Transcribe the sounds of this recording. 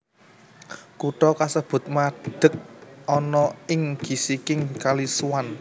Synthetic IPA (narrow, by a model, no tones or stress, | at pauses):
kuʈɔkasəb̥ʊ̤t̪̚maɖ̪̥ə̤k̚ɔnɔɪŋɡ̥i̤sikɪŋkaliswan